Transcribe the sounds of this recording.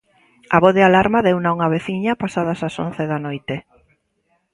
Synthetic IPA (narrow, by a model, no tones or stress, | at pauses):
ɐβoðɪalaɾmaðeunauŋɐβeθiɲɐpasað̞ɐsaso̰n̟θeðɐnojt̪e